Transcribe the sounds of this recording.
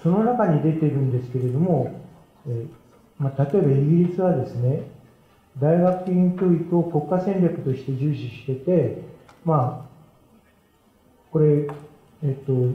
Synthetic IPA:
so̞no̞nakaɲ̟id̪e̞t̪e̞ɾɯ̟̃nd̪e̞sɨ̥ke̞ɾe̞d̪o̞mo̞ | eː | mat̪at̪o̞e̞baiɡʲiɾʲit͡sɨβad̪e̞sɨne̞ | d̪aiɡakɯ̟̥ĩŋkʲo̞ːikɯ̟o̞ko̞kːasẽnʲakɯ̟̥t̪o̞ɕi̥t̪e̞ʑɨːɕiɕi̥t̪e̞t̪e̞ma | ko̞ɾe̞ | et̪ːo̞

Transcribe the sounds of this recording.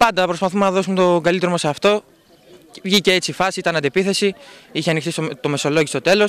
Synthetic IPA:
pɐnd̪ɐpɾo̞spɐθumenɐðo̞sumet̪o̞ɡɐlit̪ɾomoseɐft̪o̞ | vʝiceet͡sifɐsit̪ɐnɐnd̪epiθe̞siiçenixt̪ist̪o̞me̞so̞lo̞ʝist̪o̞t̪e̞lo̞s

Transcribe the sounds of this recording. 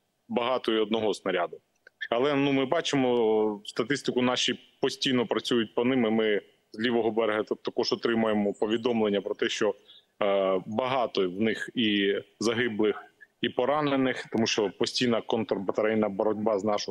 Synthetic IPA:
bɐɦɑt̪ɔiɔd̪̚nɔɦɔsnɐɾʲad̪ʊ | ɐlˠɛnumɪbɑt͡ʃemɔst̪ɐt̪ɪst̪ɪkʊnɑʃipɔsʲtʲijnɔpɾɐt͡sʲujʊt̚ʲpɔnɪmɪmɪ | zʲlʲiʋɔɦɔbɛɾeɦɐt̪ɐkɔʒɔt̪ɾɪmʊjemɔpɔʋʲid̪ɔmlˠenʲːɐpɾɔt̪ɛʃt͡ʃɔ | bɐɦɑt̪ɔwnɪxizɐɦɪblˠɪxipɔɾɑnenɪxt̪ɔmuʃt͡ʃɔpɔsʲtʲijnɐkɔnt̪ɔrbɐt̪ɐɾɛjnɐbɔɾɔdʲbɑznɑʃɔ

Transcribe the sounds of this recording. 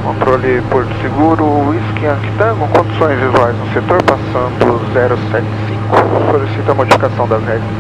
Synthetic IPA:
kõt̪ɾolɪpoɾt̪ʊ̥seɡuɾʊiskiɐ̃kɪ̥t̪ɐ̃ɡõkõd͡ʒ̪isõj̃zvizuajznʊset̪oɾpasɐ̃nd̪ʊzɛɾʊsɛt͡ʃɪ̥sĩkʊsolisit̪ɐmod͡ʒifi̥kasɐ̃w̃d̪ɐzhɛɡɾɐs

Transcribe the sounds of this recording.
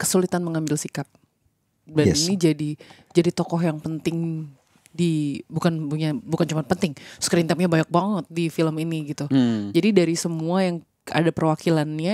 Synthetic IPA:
kə̥sulit̪anməŋambɪlsikap̚ | daninid͡ʒadi | d͡ʒadit̪ɔkɔɦjaŋpənt̪ɪŋ | dibukanbuɲabukant͡ʃumanpənt̪ɪŋkəɾint̪ɛp̚ɲabaɲak̚baŋət̪̚difiləminiɡit̪ud͡ʒadidaɾisəmuajaŋ | a̰dapərwakilanɲa

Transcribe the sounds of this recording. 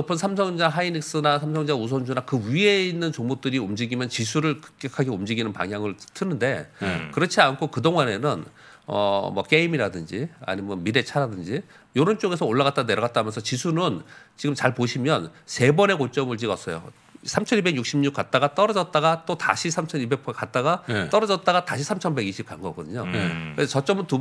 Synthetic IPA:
pʰɯnsʰamsʰʌŋd͡ʑaɦainiks͈ɯnasʰamsʰʌŋd͡ʑausʰond͡ʑunakɯɥie̞inːɯnt͡ɕoŋmot͈ɯɾiomd͡ʑiɡimjʌnt͡ɕisʰuɾɯɭkɯ̥k͈ekʰaɡeomd͡ʑiɡinɯnpa̰ŋɦjaŋɯɭtʰɯnːɯnde̞kɯɾʌt͡ɕʰiankʰokɯdoŋane̞nɯn | ʌ̰mwʌ̰k͈e̞imiɾadɯnd͡ʑia̰ɲimjʌnmiɾe̞t͡ɕʰaɾadɯnd͡ʑi | joɾɯnt͡ɕ͈oɡe̞s̬ʰʌoɭːaɣat̚t͈aneɾʌɣat͈amjʌnsʰʌt͡ɕisʰunɯnt͡ɕiɡɯmt͡ɕaɭpoɕʰimjʌnse̞bʌne̞kot͡ɕ͈ʌmɯɭt͡ɕiɡʌs͈ʌjo̰ | sʰamt͡ɕʰʌnibe̞ɡjuk̚ɕ͈imɲuk̚k͈at̚t͈aɡat͈ʌɾʌd͡ʑʌt̚t͈aɡat͈ota̰ɕʰisʰamt͡ɕʰʌnibe̞k̚pʰk͈at̚t͈aɡat͈ʌɾʌd͡ʑʌt̚t͈aɣataɕʰisʰamt͡ɕʰʌnbe̞ɡiɕʰip̚k͈a̰nɡʌk͈ʌdɯɲoket͡ɕʌt͡ɕ͈ʌmɯntu

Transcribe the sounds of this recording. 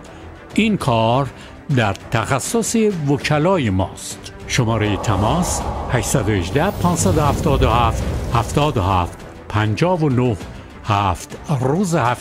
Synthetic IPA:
ʔinkʰɒːɾ | d̪æɾt̪ʰæxæsːosevocʰælɒːjemɒːst̪ | ʃo̞mɒːɾejet̪ʰæmɒːshæʃsæd̪oheʒd̪æhpʰɒːnsæd̪ohæft̪ɒːd̪ohæːft̪hæft̪ɒːd̪ohæːft̪ | pʰænd͡ʒɒːvonoh | hæft̪ruːzehæf

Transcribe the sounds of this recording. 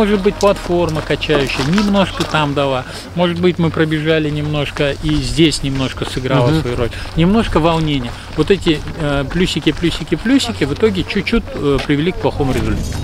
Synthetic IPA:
mo̞ʐɨt̪̚bɨtʲplˠɐt̪fo̞rməkɐt͡ɕæjʉɕːɪjənʲɪmno̞ʂkət̪amd̪ɐlˠa | mo̞ʐɨt̪bɨtʲmɨpɾəbʲɪʐalʲɪnʲɪmno̞ʂkəʔizʲdʲesʲnʲɪmno̞ʂkəsɨɡɾalˠəsvɐjuɾo̞lʲnʲɪmno̞ʂkəvɐlˠnʲenʲɪjə | vot̪ɛtʲɪplʲusʲɪkʲɪplʲusʲɪkʲɪplʲusʲɪkʲɪvɨt̪o̞ɡʲɪt͡ɕut͡ɕːut̚ʲpɾʲɪvʲɪlʲik̚plˠɐxo̞mʊɾʲɪzʊlʲt̪at̪ʲɪ

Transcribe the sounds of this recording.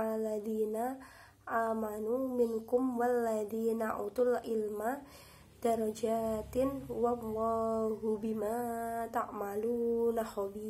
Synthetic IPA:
alaðina | ʔamanumɪnkʊmwalːaðinaʔut̪ʊlʔɪlma | d̪̥aɾad͡ʒat̪ɪnwamwaɦubimat̪a̰ʔmalunahɔbi

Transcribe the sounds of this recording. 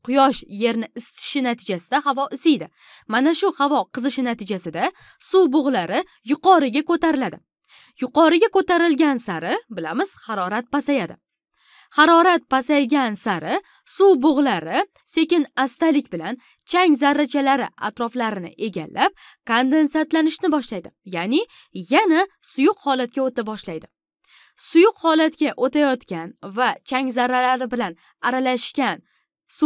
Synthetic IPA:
qʰʊjɒʃje̞ɾnɪɪst̪ʰɪ̥ʃɪnat̪ʰɪd͡ʒasɪd̪ahavɒʔɪsejd̪ɪ | manaʃʊhavɒqʰɨzɨʃɪnat̪ʰɪd͡ʒasɪd̪a | suboʁlaɾɪ | jʊqʰɒɾɪɡʲakɵt̪aɾɪlad̪ɪ | jʊqɒɾɪɡʲakot̪aɾɪlɡʲansaɾɪbɪlamɪz̥hɑɾɒɾat̪̚pasajad̪ɪ | hɑɾɒɾat̪̚pasajɡʲansaɾɪ | suboʁlaɾɪ | se̞kʲɪnast̪alɪkʲbɪlan | t͡ʃʰaŋzaɾːat͡ʃʰalaɾɪa̰t̪ɾɒflaɾɪnɪ̰ʔe̞ɡʲa̰lːʔap̚ | kʰond̪e̞nsat̪lanɪʃnɪbɒʃlajd̪ɪjanɪ | jana | sʊjʊqhɒlat̪̚kʲaot̪abɒʃlajd̪ɪ | sʊjʊqhɒlat̪kʲaʔot̪ʰajɒt̪kʲanvat͡ʃʰaŋzaɾːalaɾɪbɪlan | aɾalaʃkʲan | su

